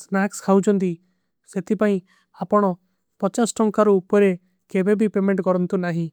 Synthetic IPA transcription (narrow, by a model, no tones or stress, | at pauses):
snakskʰawd͡ʒɔnt̪i | set̪ʰipaĩ | apɔɽ̃ɔ | pɔt͡ʃasʈɔŋkaɾuːpɔɾe | kebebʱipemeɳʈkɔɾɔnt̪unaɦĩ